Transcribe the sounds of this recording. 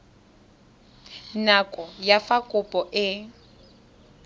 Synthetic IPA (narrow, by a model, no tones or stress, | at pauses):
nakʼɔjafakʼʊpʼɔʔɪ